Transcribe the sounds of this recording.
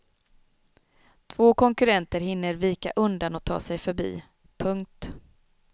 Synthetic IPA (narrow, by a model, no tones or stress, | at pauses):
t̪ʰv̥oːkʰɔŋkɵɾɛnt̪əɾɦɪnːəɾviːkaʔɵnd̪anɔt̪ʰːɑ̰ːsɛjfœɾbḭː | pʰɵŋk̚t̪